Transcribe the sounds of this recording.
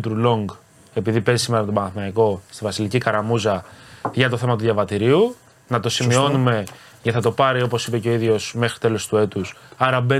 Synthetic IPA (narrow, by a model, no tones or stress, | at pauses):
t̪ɾulo̞ŋɡ | e̞piðipe̞zisime̞ɾɐpt̪obɐnɐθnɐiko̞st̪ivɐsilicikɐɾɐmuzɐʝɐt̪o̞θe̞mɐt̪uðʝjɐvɐt̪iɾiu | nɐt̪o̞simio̞nume̞ | ceθɐt̪o̞pɐɾio̞po̞sipe̞ceo̞iðʝo̞sme̞xɾit̪e̞lo̞st̪ue̞t̪usɐɾɐbe